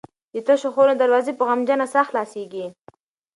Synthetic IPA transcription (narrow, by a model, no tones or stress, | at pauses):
d̪ət̪əʃoxoɾod̪aɾwɑzepəɣamd͡ʒanasaxt̪lɑseɡi